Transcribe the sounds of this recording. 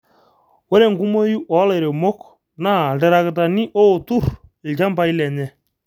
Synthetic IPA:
we˦ɾe˨ŋku˦mo˦ju˦ʔɔ˨˦le˨ɾe˨mo˦k | na˦˨dɛ˨ɾa˨kɪ˨ta˨ni˦ʔo˦˨tu˦˨ɾɪ˨lt͡ʃa˦mpa˨i˦lɛ˨ɲɛ˦

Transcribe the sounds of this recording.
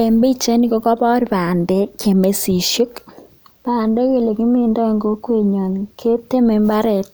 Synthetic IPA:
e˨mbe˦t͡ʃe˦ni˨ko˦kɔ˦pɔ˦ɾi˨pa˨nde˦kʰe˨me˨si˨ʃo˦k | paː˨nde˦ke˨le˨ki˦mi˦nda˦˨ŋɡo˦kwe˦˨ɲɔ˨nkʰe˦te˦me˨mba˦ɾe˨t̚

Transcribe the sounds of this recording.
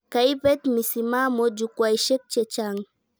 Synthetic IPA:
ka˨i˦pɛ˦t̪misima˦mɔ˦d͡ʒukwa˨iʃɛ˦k̚t͡ʃɛt͡ʃaŋ

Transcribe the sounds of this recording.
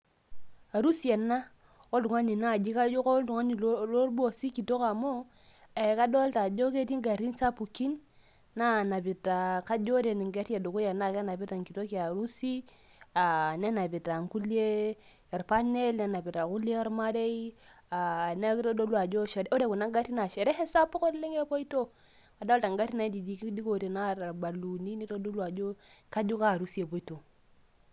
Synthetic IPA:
a˨ɾu˦si˨˦e˨na˦ | o˦du˨ŋa˦ni˨na˦˨d͡ʒi˦ka˦jo˦ko˦du˨ŋa˦ni˨lo˦ɾbo˦si˦ki˨to˦ka˨mo˦ | e˨ka˦do˦lta˨d͡ʒo˦ke˦ti˦ŋɡa˨ɾi˦nsa˦pu˨ki˦nː | a˦˨na˨pi˨ta˨ka˦d͡ʒo˦ɾe˨ni˨ŋɡe˦te˨du˨ku˦je˨na˦˨ke˦na˨bi˦ta˨ŋki˨to˦ki˨a˨ɾu˦si˦ | a˨ne˦na˨pi˨ta˨ŋku˦li˦e˦ | ɛ˨ɾpa˦ne˦lne˨na˨bi˨ta˨ku˦le˦ɾma˦ɾe˦i˦a˨na˦ki˦to˦do˦lu˦a˨d͡ʒo˦ʃe˨ɾo˦de˦˨ku˨na˦ɡa˦ti˦na˨ʃe˨ɾe˦he˦sa˦po˦ko˦le˦ŋe˦po˦i˦to˦ | a˨da˦lta˨ŋɡa˦ti˦na˨i˦di˨di˨ki˦di˦ko˨te˨na˦˨ɾa˨ɾɡ͡ba˨lu˨ni˦ni˦to˦do˦lwa˨d͡ʒo˦ka˦d͡ʒu˦ka˦˨ɾu˦si˦e˨po˨˦i˦to˨

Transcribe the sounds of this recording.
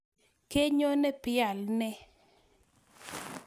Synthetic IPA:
ke˦ɲo˦nɛ˦pɪ˦a˨lnɛ˦

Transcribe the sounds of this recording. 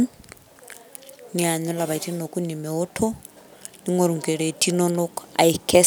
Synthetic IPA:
ɲia˨ɲɛ˦laβa˨iti˦no˨ku˦ni˨mɛ˨ɔ˦tʰɔ˦ | ni˦ŋo˨ɾu˨ŋ˨ke˨ɺe˨tʰʼi˦nɔno˦ka̰˨ikʰɛ˦

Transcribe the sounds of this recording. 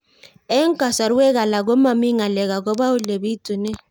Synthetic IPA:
ɛ˦ŋ˦kʼa˨sa˨ɾu˦wɛ˦ka˨la˨k̬ɔ˦ma˨mi˦ŋa˨lɛ˨ka˨k̬ɔ˦ɓa˦u˦le˨bi˦tʼu˨nɛ˦

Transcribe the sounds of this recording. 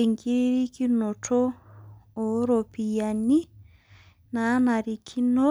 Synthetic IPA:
i˨ŋɡi˦ɾɾi˦ki˦no˨tʰo˦ | o˨˦ɾo˨pi˨ja˨ni˦ | na˨˦na˨ɾi˨kʰi˦no˦

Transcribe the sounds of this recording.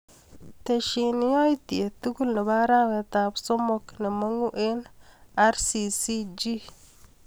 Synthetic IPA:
t̪e˨ʃi˨n˦o˦jti˨e˨t̪u˦ɡu˦lna˨ba˦ɾa˦wɛ˨t̪a˨bsɔ˦mɔ˦kne˨ma˦ŋu˦ʔe˦na˦ɾsi˨si˦d͡ʒi˦

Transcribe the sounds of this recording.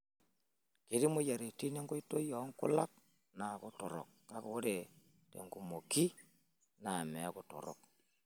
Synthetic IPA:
ke˨˦ɾi˦mo˦ja˨ɾe˨ti˦ne˦ŋɡo˦i˦to˦jɔ˨˦ŋkʊ˦la˦k̚ | na˨ko˦to˨ɾɔ̰˨k̚ː | a˦ko˨˦ɾe˨ | tḛ˨ŋɡu˨mo˨ki˦ | na˨mɛ˨˦kʊ˨to̰˨ɾɔ̰˨k̚

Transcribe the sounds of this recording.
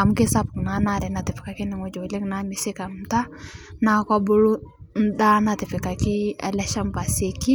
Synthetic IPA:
a˨mke˦sa˦pkna˨na˦˨ɾɛ˨na˨ti˨fi̥˨ka˨ki˦ni˨ŋo˦d͡ʒo˨le˦kna˨˦mi˨si˦ka˨m˨ta˦na˨kʷa˦bo˦lu˦n˦da˦na˨ti˨fi˨ka˨ki˦a̰˨lɛ˦ʃa˦mpa˨se˨ki˦

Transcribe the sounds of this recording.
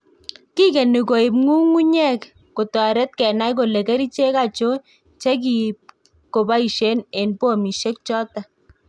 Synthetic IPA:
ki˦kɛ˨ni˨ko˨i˨p̚ŋu˦ŋu˦ɲɛ˦k | ko˨tɔ˨ɾɛ˦t̚kɛ˨na˦jko˨le˨kɛ˦ɾi˦t͡ʃe˦ka˦˨t͡ʃo˦ | t͡ʃe˦k̬i˨p | ko˨ba˦i˨ʃe˦ne˨npo˦˨mi˨ʃe˦k̚t͡ʃɔ˦ta˨

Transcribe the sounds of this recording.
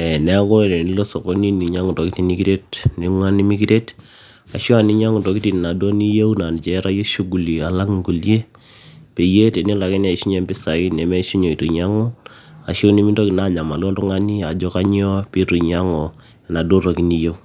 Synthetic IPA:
ɛ˨nɛ˦a˦ko˦˨ne˨ni˨˦lo˦so˨ko˦ni˦ni˨ɲa˦ŋu˨to˨ki˦ti˨ni˦ki˦ɾe˦t̚ni˨ŋwa˦ni˦mi˦ki˦ɾe˦t | a˨ʃo˦a˨ni˦ɲa˦ŋu˨to˨ki˦ti˨n˨na˨do˦ni˦je˦wna˨n˨t͡ʃɛ˨˦ɾa˦je˦ʃu˦ɡu˨li˨a˨la˦ŋŋɡu˨lje˦ | pe˨je˦te˨ni˦la˨ke˦na˨ʃi˦ɲɛ˦mbɪ˦sa˨i˦nɛ˨mɛ˦ʃi˦ɲo˨i˨to˨ɲa˦ŋɔ˦ | a˨ʃo˦ni˦mi˦ndo˦ki˨na˦˨ɲa˨ma˨lo˦ntu˦ŋa˦ni˦a˨d͡ʒɔ˦ka˦ɲ˦ɔ˦pi˦tu˨ɲa˦ŋɔ˨ | na˨do˦ɾo˨ki˨˦ni˦je˦u˦

